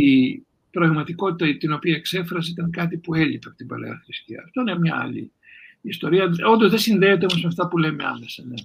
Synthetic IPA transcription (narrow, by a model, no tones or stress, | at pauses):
i | pɾɐɣmɐt̪iko̞t̪it̪ɐt̪ino̞piɐekse̞fɾɐseit̪ɐŋkɐt̪ipue̞ʎipepot̪imbɐ̰lḛɐ̰xɾist̪iɐ̰ɐft̪oinemɲɐ̰ɐ̰lḭː | st̪o̞ɾiɐo̞nd̪ozðe̞sinðeiot̪̬mɐsmeft̪ɐpule̞mḛɐ̰nesɐne